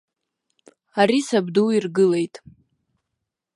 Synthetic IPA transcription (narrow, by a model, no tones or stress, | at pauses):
aɾisabduirɡɨle̞jtʼ